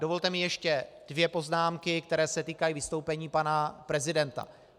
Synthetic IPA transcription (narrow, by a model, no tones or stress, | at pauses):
do̞vo̞lt̪ɛmɪjɛʃcɛ | d̥vjɛpo̞znaːmkɪk̚t̪ɛɾɛːsɛt̪iːkajivɪst̪o̞wpɛɲiːpanapɾɛzɪdɛnt̪a̰